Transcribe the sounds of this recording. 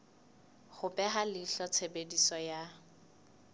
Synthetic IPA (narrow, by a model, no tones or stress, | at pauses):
χʊpʼɛɦalɪɬɔt͡sʰebedisɔja